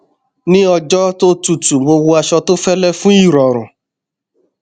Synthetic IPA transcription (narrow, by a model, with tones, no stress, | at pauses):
nĩ˦ɔ˧d͡ʒɔ˦to˦tu˨tu˨mo˧wo˧a˧ʃɔ˧to˦fɛ˦lɛ˦fũ˦i˦˨ɾɔ˨ɾ̃ũ˨